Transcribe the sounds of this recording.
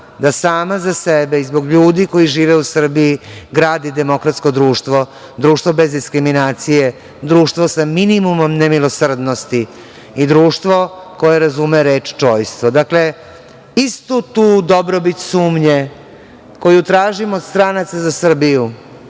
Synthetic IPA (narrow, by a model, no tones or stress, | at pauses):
d̪asaːmazasebeizbo̞ɡʎuːd̪iko̞iʒiːʋeusr̩biiɡɾaːd̪id̪e̞mo̞kɾat̪sko̞d̪ɾuːʃt̪ʋo̞ | d̪ɾuːʃt̪vʋo̞be̞zd̪iskɾiminaːt̪sije | d̪ɾuːʃt̪ʋosaminimumo̞mnemilˠosr̩d̪nost̪i | id̪ɾuːʃt̪ʋo̞ko̞jeɾazumeɾe̞ːt͡ʃt͡ʃoːjst̪ʋod̪akle̞ | ist̪ut̪uːd̪obɾobit̪suːmɲe | ko̞jut̪ɾaːʒimod̪st̪ɾanat̪sazasr̩biju